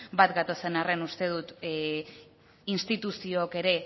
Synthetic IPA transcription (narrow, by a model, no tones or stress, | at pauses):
bat̪ɡat̪o̞se̞narenust̪e̞ð̞ut̪ | inst̪it̪usioːke̞ɾe̞